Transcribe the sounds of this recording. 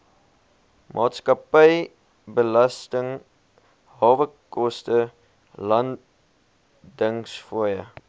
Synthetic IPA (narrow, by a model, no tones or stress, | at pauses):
mʔɑːtskɐpəj | bəlɐstəŋ | ɦɑːvəkɔstə | lɐn | dəŋsfuəjə